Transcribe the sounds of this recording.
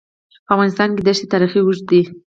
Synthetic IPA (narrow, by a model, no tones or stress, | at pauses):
pəavɣɑnɪst̪ɑnked̪aʃet̪ɑɾixiwuʒ̚d̪i